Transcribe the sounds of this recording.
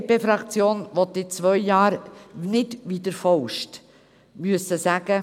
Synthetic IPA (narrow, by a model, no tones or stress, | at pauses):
peːfɾɑkt͡sjoːnʋɔt̪ːɪt͡sʋœjjɑːɾnɪdʋidəɾfɔwʃt | myəsəsæɡ̥ə